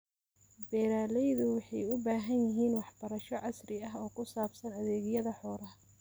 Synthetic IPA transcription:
bɛːɾaːlɛjðʊwɑħɑjʊbaːɦɐnjɪɦiːnwɑħbɐɾɐʃɔʕɑsrɪɐɦɔːkʰʊsaːbsɐnɐðɛːɣɪjɐðɐħɔːɾɐh

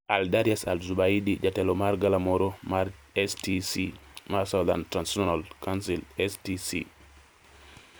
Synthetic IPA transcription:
ʔaldaɾiasa̰lzubaidid͡ʒatɛlɔmaɾɡalamoɾomaɾ | ɛstisimaɾsawd̪a̰ntɾansɔnalkansilɛstisḭ

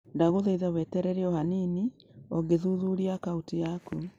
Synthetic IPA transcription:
ndaɣoðeiðawɛtɛɾɛɾeɔhanini | ɔɡeðuðuɾiakautijaku

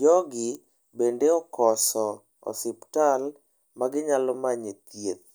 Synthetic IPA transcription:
d͡ʒɔɡɪ | bendeɔkɔsɔ | ɔ̰sɪptal | maɡɪɲalɔmaɲet̪jet̪̚

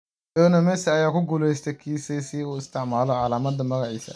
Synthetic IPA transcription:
ɔnɐmɛsɐjaːkʰʊɡulɛjst̪ʰɛkʰiːsɛsiuːɪst̪ʰɪʕmaːlɔʕɑlaːmɐd̪ɐmɐɣɐʕḭːsɐ̰

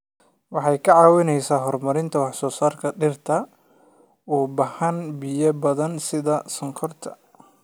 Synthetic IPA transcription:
wɑħɑjkʰɐʕɑːwɪnɛjsaːɦɔrmɐɾɪnt̪ʰɐwɑħsɔːsaːrkʰɐɖɪrt̪ʰɐ | ɔːbɐhɐnbijɐbɐðɐnsɪðɐsɐŋkʰɔrt̪ʰɐ̥

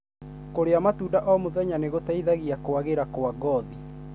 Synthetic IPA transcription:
koɾeamatuːdaʔɔmoðɛɲaneɣotaiðaɣiakoaɣeɾakoaɡɔði

